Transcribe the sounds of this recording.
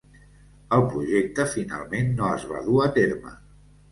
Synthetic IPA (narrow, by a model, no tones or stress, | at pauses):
əlˠpɾuʒek̚t̪əfina̰lˠmenːoəzβa̰ðuət̪eɾmə̰